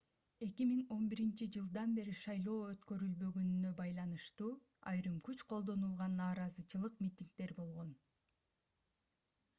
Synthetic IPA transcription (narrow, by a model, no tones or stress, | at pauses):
e̞kimiŋo̞nbiɾint͡ʃid͡ʒɯlˠd̪ɑnbe̞ɾiʃɑjlˠo̞ːøt̪kø̞ɾylbø̞ɡønynø̞bɑjlˠɑnɯʃt̪uː | ɑ̰jɾɯmkyt͡ʃqʰo̞lˠd̪o̞nulˠʁɑnːɑːɾɑzɯt͡ʃɯlˠɯqmʲit̪ʲiŋk̚t̪e̞ɾbo̞lˠʁo̞n